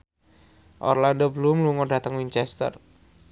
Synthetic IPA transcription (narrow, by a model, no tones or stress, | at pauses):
ʔɔ̰rlandobəlʊmluŋɔɖä̤t̪əŋwiɲt͡ʃɛst̪ə̰r